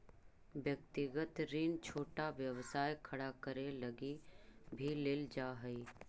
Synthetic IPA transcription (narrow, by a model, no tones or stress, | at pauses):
ʋjək̚t̪ɪɡət̪ɾiːnt͡ʃʰoːʈaʋjəwsaːjkʰɐɽakəɾeləɡibʱileːld͡ʒaːɦəi